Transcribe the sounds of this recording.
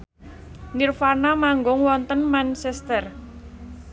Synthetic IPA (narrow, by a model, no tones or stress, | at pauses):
nirfanamaŋɡʊŋwɔnt̪ənmansɛst̪ər